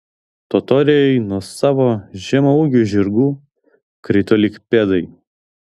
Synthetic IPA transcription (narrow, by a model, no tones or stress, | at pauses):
t̪ɔt̪ɔːɾʲejɛɪnuɔsɑːʋoːʒʲɛmɐuːɡʲuːʒʲɪɾɡuː | kɾʲɪt̪ɔlʲɪkpʲɛd̪ɐɪ